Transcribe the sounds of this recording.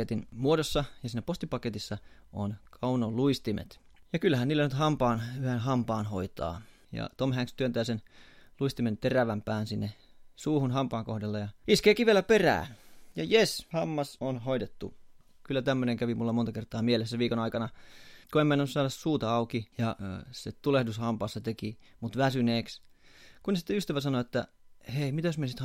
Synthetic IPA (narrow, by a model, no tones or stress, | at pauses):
et̪inmuodosːɑjɑsiːnːæpost̪ipɑket̪isːɑonkʰɑunoluist̪imḛt̪ | jɑkylːæhæniːlːænyt̪hɑmpɑːnyhenɦɑmpɑːnho̰it̪ɑ̰ː | jɑ̰t̪omhæŋkst̪yønt̪æːsenluist̪iment̪eræʋæmpæːnsinːesuːhunɦɑmpɑːŋkohdelːɑjɑiskeːkiʋielæperæ̰ːnjɑ̰jeshɑmːɑsonhoidet̪ːu | kylːæt̪æmːøneŋkæʋimulːɑmont̪ɑkert̪ˑɑːmielesːæʋiːkonɑikɑnɑkoemːenːænusɑːdɑssuːt̪ɑɑukijɑset̪ulehdushɑmpɑːsːɑt̪ekimut̪ʋæsyneːkskunesi̥t̪ːeyst̪æʋæsɑnoet̪ːæ̰heimit̪æjosmiesit̪h